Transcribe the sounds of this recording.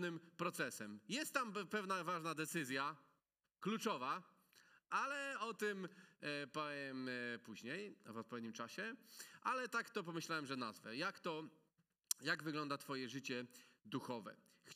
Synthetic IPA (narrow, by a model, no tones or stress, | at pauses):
nɘmpɾɔt̪sɛsɛmjɛst̪ːampɛvnavaʐnad̪ɛt̪sɘzʲja | klut͡ʂɔva | alɛɔt̪ɪmpaɛmpuʑɲejɔvɔt̪̚pɔvʲed̪ɲimt͡ʂaɕɛʔalɛt̪akt̪ɔp̬ɔmɘɕlawɛmʐɛnazvɛ̰jakt̪ɔ | jaɡvɘɡlɔnd̪at̪fɔjɛʐɘt͡ɕɛd̪uxɔvɛ̰ | x